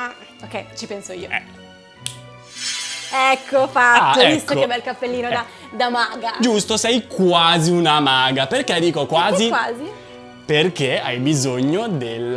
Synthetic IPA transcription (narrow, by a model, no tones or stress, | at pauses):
a | okːɛjt͡ʃipɛnsoḭːoɛ | ɛkʰːofat̪ːoɛisst̪ːoebɛlkapːelːiːnod̪a | d̪amaːɡad͡ʒust̪osɛjkwaːziunamaɡaperk̟ed̪iːkokwaːzikwaːzi | perk̟eajbizoɲːod̪el